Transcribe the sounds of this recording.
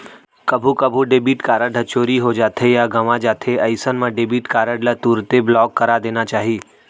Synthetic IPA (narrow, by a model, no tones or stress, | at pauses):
kəbʱukəbʱuɖebiːʈkaːɾəɖʱət͡ʃoːɾiɦod͡ʒaːt̪ʰejaɡəʋãd͡ʒaːt̪ʰeəɪsənmãɖebiʈkaːɾəɖlat̪uːɾt̪eblɔːkːəɾad̪eːnat͡ʃaːɦiː